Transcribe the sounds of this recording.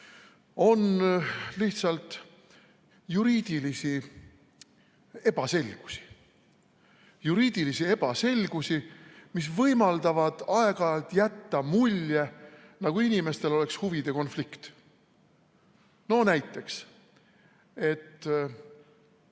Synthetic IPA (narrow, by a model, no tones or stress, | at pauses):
o̞nliht̪sɑlt̪ˑ | juɾiːd̪̥ilisi | e̞b̥ɑse̞lʲɡ̥u̥si̥ | juɾiːd̪̥ilisie̞b̥ɑse̞lʲɡ̥usimis̬vɤjmɑld̪ɑvɑd̪̥ɑe̞ɡ̥ɑlt̪jæt̪ːɑmulʲjenɑɡ̥uinime̞st̪e̞lo̞le̞kshuvid̪e̞ko̞nflikt̪ | no̞næjt̪ˑːe̞ks | e̞t̪ː